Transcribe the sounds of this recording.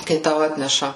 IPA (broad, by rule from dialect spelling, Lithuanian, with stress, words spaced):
kɐɪ ˈtɐʊ ˈɑːtʲnʲɛʃɐ